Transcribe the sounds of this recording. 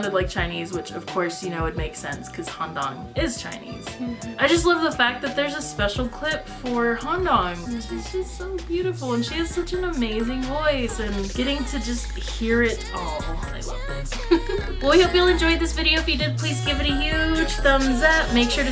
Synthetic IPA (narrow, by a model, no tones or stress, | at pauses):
nɨdˡlaɪk̚t͡ʃʰãɪ̃nizwɨt͡ʃʌv̥kʰɔɹsjɨñoʊwɨd̚meɪksɛ̰̃nskʰʌz̥hɑ̃ndɑ̰̃ŋ | ɪz̥t͡ʃʰã̰ɪ̃nḭz̥ʔaɪd͡ʒʌstˡlʌvðəfæk̚ðɨt̪̚ðə˞zəspɛʃl̩ˠkʰl̥ɪpfə˞hɑ̃ndɑ̃ŋʃizd͡ʒʌstsoʊbjʉɾɨfl̩ˠə̃nʃiɨz̥sʌt͡ʃɨ̃nəmeɪzɪ̃ŋvɔɪsɨ̃nɡ̥ɛɾɪ̃ŋtʰɨd͡ʒʌst̚ | hiɹɪɾ | ɔlˠoḛɪlʌ̰v̥θɪ̃ŋz̥ | wɛlˠwihoʊpjil̩ˠɨ̃nd͡ʒɔɪðɪsvɪɾioʊɨfjɨdɨd̚pʰl̥izɡɪvɨɾɨjʉd̥ʒ̥θʌ̃mzɛt̚meɪkʃʊɹɾɨ